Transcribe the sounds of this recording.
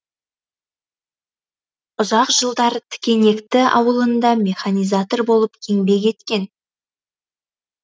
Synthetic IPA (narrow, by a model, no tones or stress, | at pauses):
ʊzɑqʒəlˠd̪ɑɾt̪ʰɪ̥kʲe̞ne̞kt̪ɪɑ̰wəlˠənd̪ɑmʲe̞χanijzat̪o̞rbo̞lˠəp̚kʲʰe̞ŋbe̞kʲʰe̞t̪kʲe̞n